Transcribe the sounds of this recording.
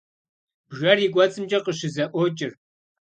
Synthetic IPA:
b̥ʒɐriɡʷɔt͡sʼɨmd͡ʒʼɐqəʃɪzɐʔʷɔt͡ʃʼɪr

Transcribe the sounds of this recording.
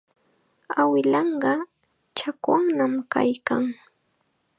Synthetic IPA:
awɪlɑɴɢɑ | t͡ʃakwaŋnamka̰jkaŋ

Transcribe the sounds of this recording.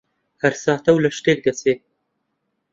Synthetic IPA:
haɾsɑːt̪awlaʂʈek̚d̪ase

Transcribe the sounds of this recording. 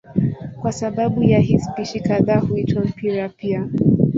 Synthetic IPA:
kwasaɓaɓujaɦispiʃikaðaːhuitwam̩pʰiɾapia

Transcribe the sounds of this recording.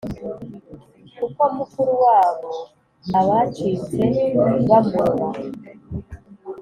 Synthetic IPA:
kuko̞mukuɾuwaːβo̞ | aβat͡ʃit͡seβamuɾwa

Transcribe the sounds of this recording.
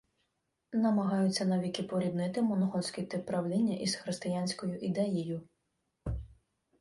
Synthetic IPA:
nɐmɐɦɑjʊt͡sʲːɐnɐʋʲikɪpɔɾʲid̪nɪt̪ɪmɔnɔɦɔsʲkʲit̪ɪpɾɐwlʲinʲːɐʔisxɾɪst̪ɪjanʲsʲkɔjʊʔid̪ɛjijʊ

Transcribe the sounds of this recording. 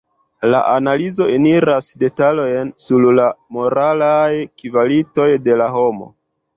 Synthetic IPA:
la̰ʔanalizo̞eniɾasde̞talo̞jnsullamo̞ɾalajkivalito̞jde̞laɦo̞mo̞̰

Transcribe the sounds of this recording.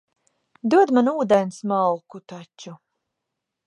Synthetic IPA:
d̪uɔd̪manuuːd̪ɛnsmalˠkut̪at͡ʃːu

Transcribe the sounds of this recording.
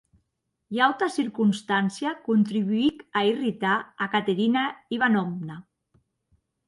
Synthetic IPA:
jalt̪asiɾkunst̪ansiakunt̪ɾiβuikairit̪aakat̪eɾinaiβ̞anɔmna

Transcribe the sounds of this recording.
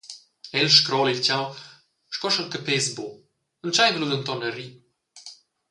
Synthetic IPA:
ɛlʃkɾɔlilt͡ɕaw | ʃkɔʃəlkəpezbo | ənt͡ʃajvlud̪ənt̪ɔnəɾi

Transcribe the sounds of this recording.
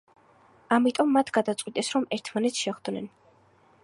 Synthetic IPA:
amit̪ʼɔmːat̪ʰɡad̪at̪sʼqʼwit̪ʼɛsɾɔmɛɾt̪ʰmanɛt̪sʰʃɛχd̪nɛ̰n

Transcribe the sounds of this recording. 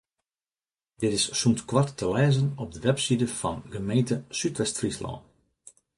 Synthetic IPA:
dɪtɪssumtkʋartːəlɛːzənɔb̚dəʋɛpsidəfɑnɡəmejntəsytʋɛstfrislɔ̰ːn

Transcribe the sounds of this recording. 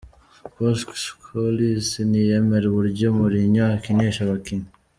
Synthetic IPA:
poskkʰolisinijemeɾeβuɾɟomuɾiɲaːkineʃaβakini

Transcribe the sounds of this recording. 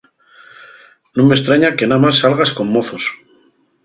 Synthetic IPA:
nome̞st̪ɾaɲake̞namasːalɣasko̞mːo̞θo̞s

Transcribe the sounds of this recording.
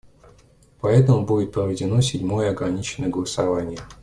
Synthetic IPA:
pɐɛt̪əmʊbudʲɪt̪̚pɾəvʲɪdʲɪno̞sʲɪdʲmo̞jəɐɡɾɐnʲit͡ɕɪnəjəɡəlˠəsɐvanʲɪjə

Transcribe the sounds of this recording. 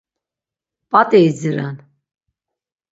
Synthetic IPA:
pʼat̪ʼɛizəɾan

